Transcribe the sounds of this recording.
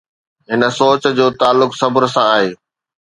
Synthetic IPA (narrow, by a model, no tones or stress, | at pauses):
ɦɪnə̆soːt͡ɕd͡ʑoːt̪aːlːʊksɐbɾəsãaːɦeː